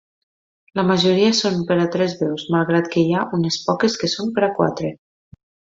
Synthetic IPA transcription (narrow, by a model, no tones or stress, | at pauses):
ləməʒoɾiasompeɾat̪ɾɛzβɛwzmalˠɣ̞ɾat̪kejaʔunespɔkeskesompeɾakwa̰t̪ɾe